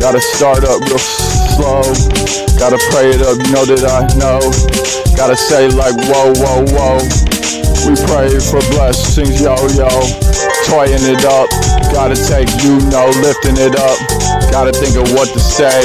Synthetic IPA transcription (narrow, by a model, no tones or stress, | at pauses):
ɡ̥ɑɾɨstɑɹɾʌp̚wɪð̥ | sloʊ | ɡ̥ɑɾɨpʰɹ̥eɪɨɾʌpjnoʊɾɨɾaɪnoʊ | ɡ̥ɑɾɨseɪlaɪkwoʊwoʊwoʊ | wipʰɹ̥eɪtfə˞blɛsɪ̃ŋzjoʊjoʊtʰɔɪɪ̃ŋɪɾʌp̚ɡ̥ɑɾɨtʰeɪkjɨnoʊlɪftɪ̃ŋɪɾʌp̚ɡ̥ɑɾɨθɪ̃ŋkʌvwʌtɨseɪ